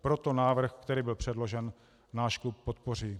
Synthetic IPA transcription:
pɾo̞t̪o̞naːvr̩xkt̪ɛɾiːbɪlpr̝̥ɛdlo̞ʒɛn | naːʃklup̚ːot̪por̝iː

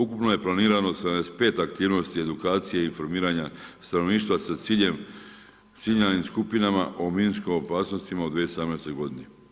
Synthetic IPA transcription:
ukupnoje̞plˠaniːɾanosad̪anespe̞ːt̪akt̪iːʋno̞st̪ie̞d̪ukaːt̪sijeinfo̞ɾmiːɾaɲast̪ano̞ʋniːʃt̪ʋasaiem | siʎanimskupinama̰ʔominskimo̞paːsno̞st̪imaod̪ʋieosad̪amnest̪ojɡo̞d̪ine

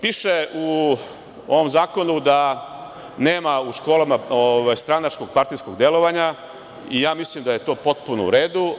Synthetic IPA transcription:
piːʃe̞u | o̞ʋo̞mzaːko̞nud̪a | ne̞ːmauʃko̞ːlamaoʋajst̪ɾanat͡ʃko̞ɡ̚paɾt̪ijsko̞ɡd̪e̞lo̞ʋaɲa | ijaːmislimd̪aje̞t̪o̞ːpo̞t̪̚punoṵɾe̞ːd̪u

